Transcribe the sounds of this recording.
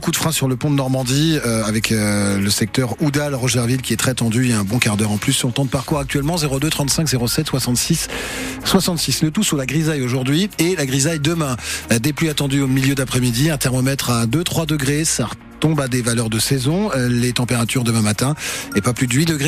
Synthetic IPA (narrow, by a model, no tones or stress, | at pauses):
kud̪fχɛ̃syʁləpɔ̃d̪ənɔʁmɑ̃d̪iøavɛkʰøləsɛk̚t̪œʁud̪alʁɔʒɛʁvilkʲiɛt̪χɛt̪ɑ̃d̪yiljaɛ̃bɔ̃kaʁd̪œʁɑ̃plysːɔ̃ʁt̪ɑ̃d̪əpaʁkuʁak̚t̪ɥɛlmɑ̃zeʁod̪øt̪χɑ̃t̪sɛ̃kzeʁosɛt̪swasɑ̃t̪sisːwasɑ̃t̪sislət̪usɔlaɡʁizajoʒuʁd̪ɥielaɡʁizajd̪əmɛ̃d̪eplyat̪ɑ̃d̪yomiljød̪apχɛmid̪iɛ̃t̪ɛʁmɔmɛt̪χad̪øt̪χwad̪əɡʁesaʁə | t̪ɔ̃bad̪evalœʁd̪əsɛzɔ̃let̪ɑ̃peʁat̪yʁd̪əmɛ̃mat̪ɛ̃ɛpaplyd̪əɥid̪əɡʁe